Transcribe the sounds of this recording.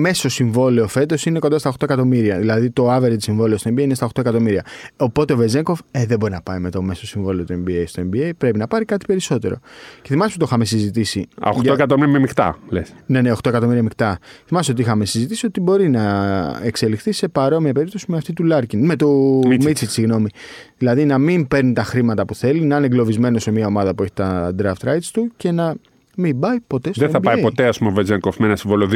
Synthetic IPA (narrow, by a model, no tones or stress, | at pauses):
messo̞siɱvo̞leofe̞t̪o̞sine̞kond̪ɐst̪ɐoxt̪o̞e̞kɐt̪o̞miɾiɐðilɐðit̪o̞ɐveɾet̪isiɱvo̞leost̪oembieinest̪ɐo̞xt̪o̞e̞kɐt̪o̞miɾiɐopo̞t̪eovezeŋko̞veðebo̞ɾinɐpɐime̞t̪omesosiɱvo̞leo̞t̪ue̞mbiejst̪oe̞mbiejpɾe̞pinɐpɐɾikɐt̪i̥pe̞ɾiso̞t̪e̞ɾo̞̰ce̞θimɐst̪et̪oxɐme̞sizit̪isḭoxtoekɐt̪omiɾɐmemikt̪ɐ̰lḛsne̞neoxt̪oe̞kɐt̪o̞miɾiɐmikt̪ɐθimɐst̪eot̪iixɐme̞sizit̪isio̞t̪ibo̞ɾinɐekse̞lixθise̞pɐɾo̞miɐpe̞ɾip̚t̪o̞simeɐft̪it̪ulɐɾcinme̞t̪omisit̪siɣno̞mi | ðilɐðinɐmimpe̞ɾnit̪ɐxɾimɐt̪ɐpuθe̞linɐineŋɡlo̞vizme̞no̞se̞miɐo̞mɐðɐpue̞çi̥t̪ɐd̪ɾɐft̪ɾɐjt̪st̪uce̞nɐ | mimbɐipo̞t̪e̞sðeeθɐmbipɐjepo̞t̪e̞ɐspumeovezeŋkofmenɐsiɱvoloð